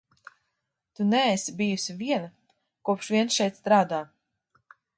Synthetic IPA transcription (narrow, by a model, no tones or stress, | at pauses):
t̪unɛɛsibijusiviɛna | kuɔpʃvʲiɛnsʃɛjt̪st̪ɾaːd̪aː